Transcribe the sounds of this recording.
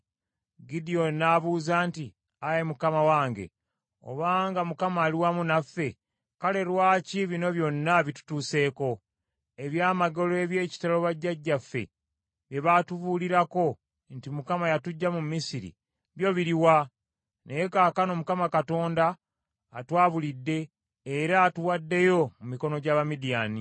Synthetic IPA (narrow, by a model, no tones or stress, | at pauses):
ɡidijo̞nːaːβuːzaːnti | ajemukamawaːŋɡe̞̰ | o̰βaːŋɡamukamaːliwamunafːe̞ | kale̞ɾwaːciβino̞βjo̞nːaβitu̥tuːse̞ːko̞ | e̞βjaːmaɡo̞loeβje̞ːci̥talo̞βaɟːaɟːafːe̞̰ | βje̞βatuβuliɾako̞ | ntimukamajatuɟːamumːisiɾḭ | βjo̞βiɾiwa | nejekaːkano̞mukamakato̞ːndaː | twaːβulidːe̞ː | ɾaːtuwadːe̞jo̞mumiko̞no̞ɟaːβamidijaːni